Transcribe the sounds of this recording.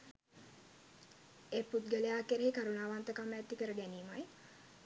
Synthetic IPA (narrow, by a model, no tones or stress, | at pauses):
eːput̪̚ɡəlejaːkeɾeɦikaɾunaːʋant̪əkamːæt̪ːikəɾəɡæniːmaj